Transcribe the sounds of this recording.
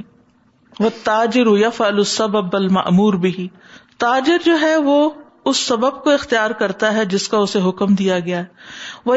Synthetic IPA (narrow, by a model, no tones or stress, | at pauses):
ʋɐt̪ːaːd͡ʒɪɾʊjɐfʕəlʊsːɐbəbɐlmɐ̰ʔmuːɾbɪɦi | t̪aːd͡ʒɪɾd͡ʒoːɦɛʋo | ʊsːɐbəb̚koɪxt̪ijaːɾkɐɾt̪aɦɛd͡ʒɪskaʊseɦʊkəmd̪ijaɡɐjaɦɛʋɐ